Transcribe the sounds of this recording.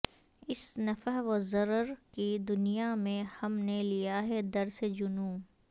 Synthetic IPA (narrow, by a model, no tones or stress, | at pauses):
ɪsnɐfəɦʋɔzɐɾəɾkid̪ʊnijamẽhɐmnelijaɦɛd̪ɐɾsed͡ʒʊnũː